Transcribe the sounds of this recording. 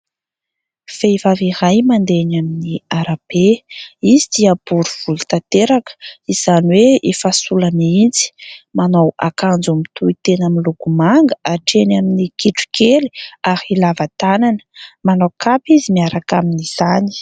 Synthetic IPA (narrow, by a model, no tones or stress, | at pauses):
fejvaviɾajmand̪enaminiaɾab̥eizid̪̥iəb̥uɾuv̥ulu̥t̪at̪eɾakə̥iz̥aniweifasulaniind͡zi̥manowa̰kand͡zumit̪uit̪enamiluɡumaŋɡəaʈ͡ʂenaminikiʈ͡ʂu̥kʰeliaɾilavat̪ananə̥manowkapizimiaɾakaminiz̥ani̥